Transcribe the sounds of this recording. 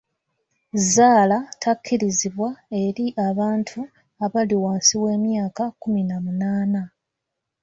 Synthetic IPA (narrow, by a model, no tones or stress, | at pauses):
zaːlatʰakːiɾiziβwae̞ɾiʔaβaːntʰu | aβaliwaːnsiwe̞ːmjaːkakuminamunaːna